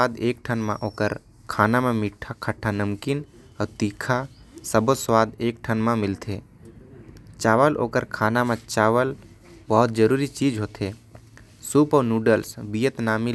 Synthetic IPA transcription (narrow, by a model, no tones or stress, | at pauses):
aːd̪eːk̚ʈʰənmã̰ʔoːkəɾ | kʰaːnamẽmɪʈʰːakʰəʈʰːanəmkin | ɔːt̪iːkʰasəboswaːd̪eːk̚ʈʰənmãmɪlt̪ʰeː | t͡ʃaːʋəlʔo̰ːkəɾkʰaːnamẽt͡ʃaːʋəl | bəɦʊt̪̚d͡ʒəɾuːɾit͡ʃiːd͡ʒɦoːt̪e | suːpɔːnuːɖəlsbijət̪naːmi